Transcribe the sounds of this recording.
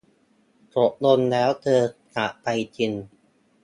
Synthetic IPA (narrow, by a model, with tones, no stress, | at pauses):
t͡ɕo˨˩ʔ̚lo˧nlɛː˦˥wt̪ʰɤː˧ka˨˩ʔpa˧jt͡ɕi˧n